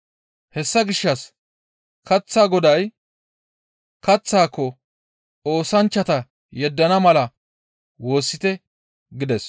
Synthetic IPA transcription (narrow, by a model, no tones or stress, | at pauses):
hɛsːɐɡɪʃːɐs | kɐt͡sːaːɡɔd̪ɐj | kɐt͡sːaːkːɔ | o̞ːsɐnt͡ʃːɐt̪ɐ | jɛd̪ːɐnɐmɐlɐ | wo̞ːsːɪt̪ɛ | ɡɪd̪ɛs